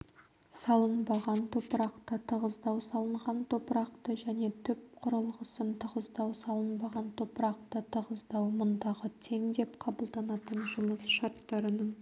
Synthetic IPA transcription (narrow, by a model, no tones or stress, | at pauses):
sɑlˠənbɑʁɑnt̪ʰopəɾɑqt̪ət̪ʰəʁəzd̪ɑwsɑlˠəɴʁɑnt̪ʰo̞pəɾɑq̚t̪əʒæne̞t̪ʰʏp̚qʰʊɾəlˠʁəsənt̪ʰəʁəzd̪ɑwsɑlˠənbɑʁɑnt̪ʰopɾɑq̚t̪ət̪ʰəʁəzd̪ɑwmʊnd̪ɑʁət̪ʰe̞ŋd̪e̞pqʰɑbəlˠd̪ɑnɑt̪ənʒʊməsʃɑɾt̪ːɑɾənəɴ